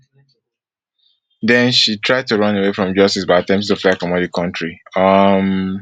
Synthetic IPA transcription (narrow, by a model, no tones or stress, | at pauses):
dɛ̃nʃitʰɹ̥aɪd̚tuɹʌ̃newefɹɔ̃md͡ʒʌstisbaɪatɛ̃mp̚stuflakɔ̃mɔdikʰʌ̃ntʰɹiʌm